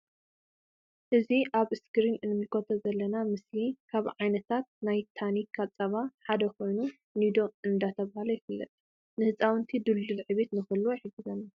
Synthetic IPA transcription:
ʔɨziʔaβɨskʰɨɾinɨnːɨmɨkʰot̪ʰɐzɐlːɐnamɨslikʰaβʕajnɐt̪ʰat̪̚najt̪ʰanikʰat͡sʼɐβaħad̪ɐkʰo̞jnu | nid̪o̞ɨnd̪at̪ʰɐβahalojɪfɨlːɐ̰t̪ʼ | nɨhɨt͡sʼawɨnt̪ʰid̪ɨlːɨlʕɨβe̞t̪nɨxɨlːojɪħɨɡɨzɐnːa

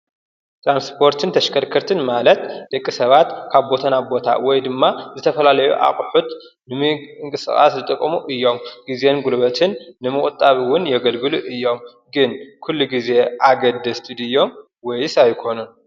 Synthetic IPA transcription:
t̪ʰɾanspʰo̞ɾt̪ʰɨnt̪ʰɐʃkʰɐɾkʰɐɾt̪ʰɨnmalɐt̪d̪̥ɐkʼːisɐβat̪kʰaβbo̞t̪ʰɐnabo̞t̪ʰa̰wɔjd̪ɨmːazɨt̪ʰɐfɐlalɐjṵʔa̰χʼħut̪ | nɨmɨŋkʼɨsɨ̰xʼa̰szɨt̪ʼɨkʼːmuʔɨjːo̞mɡ̥ize̞nɡulβɐt̪ʰɨnːɨmɨkʼt̪ʼːaβiwʊnjɛɡɐlɡɨluʔɨjːo̞m | ɡɨnkʰulːuɡize̞ʔaɡɐd̪ːɐst̪ʰɨd̪ɨjːo̞m | wɔjsajkʰo̞nun

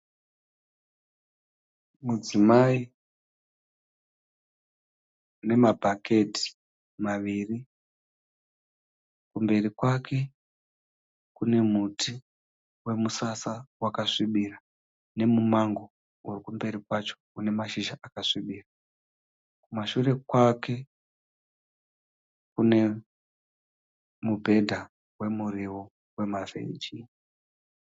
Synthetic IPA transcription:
mud͡zimai | ne̞mabʱake̞ti̥ | maʋiri | kumbe̞rikwakʰe̞ | kune̞muti | we̞musasawakaʂiɓira | ne̞mumaŋɡo̞ | urikumbe̞ɾikwat͡ʃo̞̥une̞maʃiʒaʔakaʂiɓiːra | kumaʃure̞kwakʰe̞ | kune̞ | mubʱe̞dʱa | we̞muriwo | we̞mavḛd͡ʒi

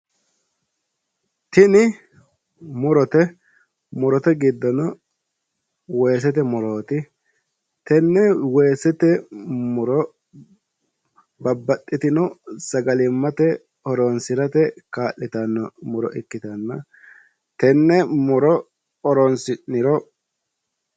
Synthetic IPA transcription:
t̪ɪnɪ | mʊɾɔt̪ɛ | mʊɾɔt̪ɛɡɪd̪ːɔnɔ | we̞ːs̬ɛt̪ɛmʊɾoːt̪ɪ | t̪ɛnːɛweːsɛt̪ɛmʊɾɔ | bɐbːɐt̪ʼːɪt̪ɪnɔsɐɡɐlɪmːɐt̪ɛ | ɔɾɔnsɪɾɐt̪ɛkaːʔɪt̪ɐnːɐmʊɾɔ̰ʔɪkːɪt̪ɐnːɐ | t̪ɛnːɛmʊɾɔ | ɔɾɔnsɪɪɾɔ

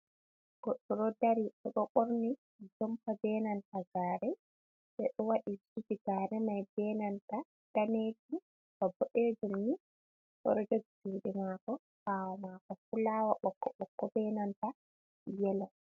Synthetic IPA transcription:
ɡ̥ɔɗːɔɾɔdaɾiɗɛɗɔɓoɾni | d͡ʒɔmpabɛnantaɡaːɾɛ | ɓɛɗɔwaɗisud͡ʒiɡaːɾɛnajbɛnanta | taneːti | bɔbɔɗed͡ʒumni | ɓɔ̰ɾɔd͡ʒɔtteɗimaːkɔ | hawɔmaːkɔfulawaɓɔkːɔɓɔkːɔbɛnanta | jɛlɔ

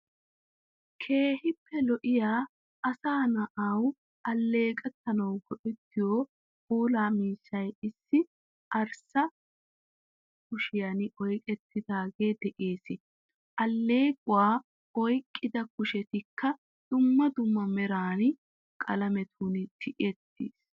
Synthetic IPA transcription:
kʰe̞ːhɪpːɛlɔʔɪjaː | ʔɐsaːnɐʔaw | ʔɐlːe̞ːkʼɐt̪ːɐnɐwɡɔʔɛt̪ːɪjoː | boːlaːmiːsːɐjɪsːɪ | ʔɐɾsɐ | kʊʃɪjɐnʔɔjkʼɛt̪ːɪd̪aːɡe̞ːd̪ɛʔe̞ːsɪ | ʔɐlːe̞ːɡʼʊwaː | ɔjkʼːɪd̪ɐkʊʃɛt̪ɪkːɐ | d̪̥ʊmːɐd̪ʊmːɐmɛɾaːn | kʼɐlɐmɛt̪ʰuːnɪt̪ʰɪʔɪɛt̪ːḭːs

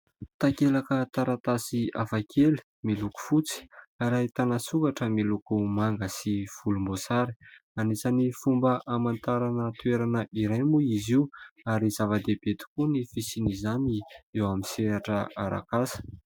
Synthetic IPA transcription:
t̪akelakət̪aɾat̪asiafakʰeli̥ | miluku̥fut͡si̥aɾajt̪anasukaʈ͡ʂəmilukumaŋɡəsiv̥ulumbosaɾi̥anisanifumbəʔamant̪aɾanət̪ueɾanəʔiɾajmuiziuaɾizavad̪ebet̪i̥kunifisinizaniewamiseɾaʈ͡ʂəaɾa̰kasə̥

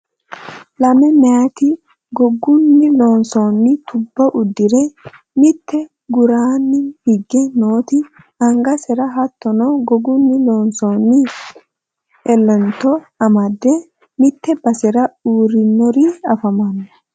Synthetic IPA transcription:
lɐmɛmɐjɐt̪ɪ | ɡɔɡːʊnːɪloːnsoːnːɪt̪ʊbːɐʔʊd̪ːɪɾɛ | mɪt̪ːɛ | ɡʊɾaːnːɪhɪɡːɛnoːt̪ɪ | ɐŋɡɐsɛɾɐɦɐt̪ːɔnɔɡɔɡʊnːɪloːnsonːɪ | ɛlːɛnt̪ɔ | ɐmɐd̪ːɛ | mɪt̪ːɛbɐsɛɾɐuːɾɪnːɔɾiɐfɐmɐnːɐ

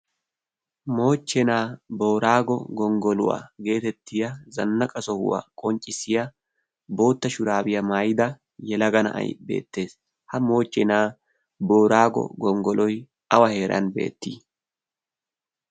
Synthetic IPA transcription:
mo̞ːt͡ʃːɛnaːbo̞ːɾaːɡɔ̰ɡɔŋɡɔlʊ̰wa̰ɡe̞ːt̪ɛt̪ːɪjɐzɐnːɐkʼɐsɔhʊ̰wa̰kʼɔnt͡ʃʼːɪsɪjɐ | bo̞ːt̪ːɐʃʊɾaːbɪjɐmaːjd̪ɐ | jɛlɐɡɐnɐ̰ʔɐ̰jbe̞̰ːt̪ːe̞ːs | hɐmo̞ːt͡ʃːɛnaː | boːɾaːɡɔ̰ɡɔŋɡɔlɔj | ɐwɐhe̞ːɾʔɐ̰nbe̞̰ːt̪ːiː

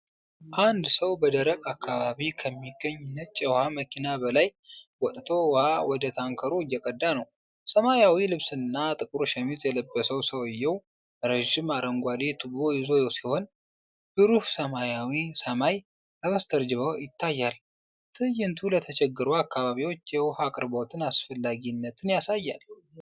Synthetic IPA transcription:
ʔand̪səwbəd̪əɾəkʼakʰːaβaβikʰəmːiɡəɲːnːət͡ʃʼːɛwhaməkʰinabəlajwɔt̪ʼt̪ʰo̞whawɔd̪ət̪ʰaŋkʰəɾoɨjːɛkʼəd̪ːanəw | səmajawilɨβsɨnːat̪ʼɨkʼɾuʃɛmit̪ʼjɛləbːəsəwsəwɨjːɛw | ɾəʒɪmaɾəŋɡʷad̪et̪ʰɨbojɪzo̞jowsiho̞n | b̥ɨɾuhsəmajawisəmaj | ʔaβəst̪ʰəɾd͡ʒɨβəwjɪt̪ʰːajːal | t̪ʰɨjːɪnt̪ʰulət̪ʰət͡ʃʰɛɡːɨɾuakːaβaβiwo̞t͡ʃːjɛwhakʼɨɾbot̪ʰɨnasfəlːaɡinːət̪ʰɨnjasajːal

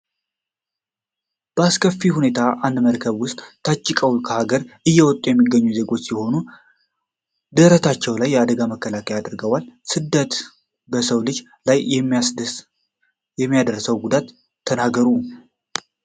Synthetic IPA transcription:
b̥əaskʰəfːihune̞t̪ʰaʔand̪məɾkʰəβwʊst̪ʼt̪ʰat͡ʃʼːɪkʼəwkʰəhaɡəɾʔɨjːɛwɔt̪ʼujɛmːiɡːəɲːuze̞ɡo̞t͡ʃːsɛho̞nu | d̪əɾət̪ʰat͡ʃːɛwlajːɛad̪əɡaməkːəlakʰəjad̪ɨɾɡəwalsɨd̪ət̪ | bəsəwlɨd͡ʒ | laj | jɛmːijad̪ərsəwɡud̪at̪ʰː | ənaɡəɾu

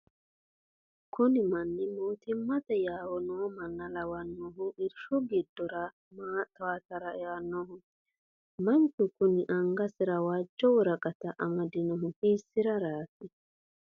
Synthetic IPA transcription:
kʊnɪmɐnːɪmoːt̪ɪmːɐt̪ɛjaːwɔnɔwamɐnːɐlɐwɐnːɔːɦʊʔɪɾʃɔɡɪd̪ːɔɾɐ | mat̪aːt̪ɐɾɐɛanːɔːɦʊ | mɐntʊkʊnɪʔɐŋɡɐsɪɾɐwaːd͡ʒːɔwɔɾɐɡʼɐt̪ɐʔɐmɐd̪ɪnɔɦʊhiːsːɪɾɐɾaːtːɪ

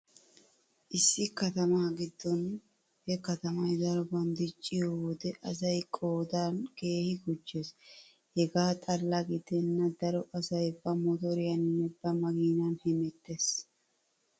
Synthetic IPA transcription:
ʔɪsːɪkɐt̪ɐmaːɡɪd̪ːɔn | hɛkɐt̪ɐmɐjd̪ɐɾɔbɐnd̪ɪt͡ʃʼːɪjɔwɔd̪ɛʔɐsɐjkʼo̞ːd̪anke̞ːhɪɡʊt͡ʃːɛs | hɛɡaːt̪ʼɐlːɐɡɪd̪ɛnːɐd̪ɐɾɔʔɐsɐjbːɐmɔt̪ɔɾɪjɐnɪnːɛbɐmɐɡiːnɐnhɛmɛt̪ːes

